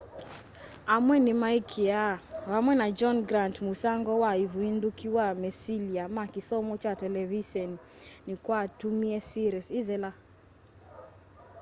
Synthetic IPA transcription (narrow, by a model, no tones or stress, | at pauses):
amwɛnimaikʰiawamwɛnad͡ʒɔnɡɾantmusaŋɡɔwaivwindukiwamɛsiliamakisɔmɔt͡ʃatɛlɛviʃɔninikwatumiɛsiɾɛsizɛla